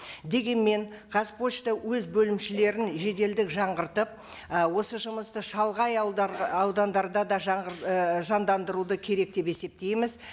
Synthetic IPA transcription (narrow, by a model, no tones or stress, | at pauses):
d̪e̞ɡʲe̞nme̞ŋ | qʰɑspo̞t͡ʃt̪əwɵzbɵlɪmʃɪle̞ɾɪnʒe̞d̪e̞ld̪ɪkʒɑɴʁəɾt̪əp̚ | wo̞səʒʊməst̪əʃɑlˠʁɑj̪ɑwd̪ɑnd̪ɑɾd̪ɑd̪ɑʒ | ʒɑnd̪ɑnd̪əɾud̪əkʲʰe̞ɾe̞k̚t̪e̞pe̞se̞p̚t̪e̞jmɪz